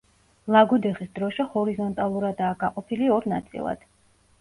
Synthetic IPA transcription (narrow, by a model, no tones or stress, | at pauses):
lˠaɡud̪ɛχisd̪ɾɔʃɛhɔɾizɔnt̪ʼalˠuɾad̪aːɡaqʼɔpʰiliɔɾnat̪sʼḭlˠa̰d̪̥